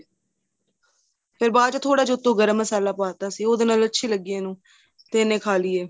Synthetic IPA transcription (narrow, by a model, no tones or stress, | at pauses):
pʰɪɾbaːt͡ʃːt̪ʰoːɽaːd͡ʒoːt̪ːõːɡəɾəmːəsaːlaːpəaːt̪aːsiːoːd̪eːnaːlətːʃʰiːləɡiːẽːnũː | t̪eːnẽːkʰaːliːeː